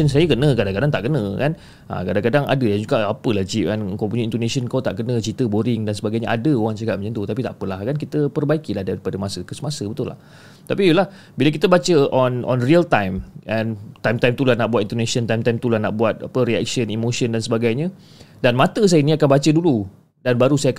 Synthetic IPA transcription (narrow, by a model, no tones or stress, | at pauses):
ənsajəkənə̃kadaŋkadaŋt̪aʔkənə̃kan | ʔa̰kadaŋkadaŋa̰dəjand͡ʒuɡaʔapəlahd͡ʒipɛnəŋkawpuɲə̃int̪onãsənkawt̪aʔkənə̃t͡ʃit̪əboɾɪŋdansəbaɡajɲəʔadəoɣaŋt͡ʃakat̪̚mə̃ɲə̃nt̪ut̪apit̪a̰ʔpəlahkankit̪əpərbaikilahdaɾipadəmãsəkəsəmãsəbət̪ʊla̰h | t̪apiulah | bilək̬it̪əbat͡ʃəʔɔnʔɔ̰nriəlt̪ajmʔɛ̃nt̪ajmt̪ajmt̪ulahnaʔbuwat̪̚int̪onasənt̪ajmt̪ajmt̪ulahnaʔbuat̪̚a̰pəɾiɛ̰k̚ʃənimoʃəndansəbaɡajɲə | danmãt̪əs̬ajənĩakanbat͡ʃədulu | danbaɾusajak